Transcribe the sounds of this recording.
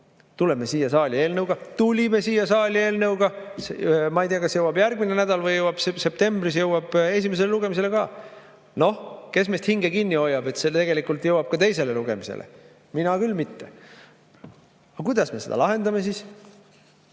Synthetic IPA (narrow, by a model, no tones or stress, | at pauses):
t̪ule̞me̞siːjɑsɑːlʲie̞ːlnɤwɡ̥ɑt̪ulʲime̞siːjːɑsɑːlʲie̞ːlnɤwɡ̥ɑsmɑijt̪eɑkɑsjɤwɑbjærɡmine̞næd̪̥ɑlvɯjɤwɑb̥sse̞p̚t̪e̞mb̥ris̬jɤwɑb̥e̞s̬ʲime̞s̬e̞leluɡ̥e̞mis̬e̞le̞kɑː | no̞hke̞sme̞ːst̪hiŋɡ̥ekinʲːio̞jːɑb̥e̞t̪set̪eɡ̥e̞likult̪jɤwɑb̥̚kɑt̪e̞js̬e̞leluɡ̥e̞̰mise̞̰lʔḛ | minɑkylmit̪ːe̞ | ɑkujd̪̥ɑsme̞se̞d̪̥ɑ̰lɑɦe̞nd̪ɑme̞siːs